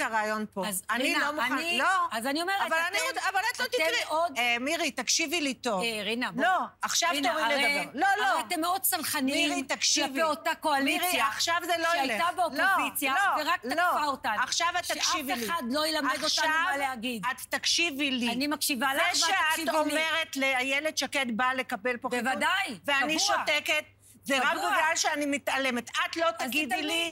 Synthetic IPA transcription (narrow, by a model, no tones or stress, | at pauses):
kaʁajonpoazaninlomuaaniloazanio̞meevalanioavalat̪lot̪it̪ʔod̪miʁit̪akʃivilit̪ovʁinamloaχʃavinomieloloat̪emːeo̞d̪̚salχaniiit̪akʃaveotako̞aliʁjaaχʃavzeloʃeajletabeolaolit͡sjaoeʁak̚laofaotanaχʃavaaʃifvieliad̪lojelamed̪oʃaaaaleaɡid̪at̪ːakʃivilianimakʃivaleʃaeaiomme̞ʁet̪leajeled̪ʃaket̪bale̞kabelpovad̪ajveaniʃoteket | zeakɡalʃeanimit̪ale̞met̪at̪lo̞t̪aɡid̪li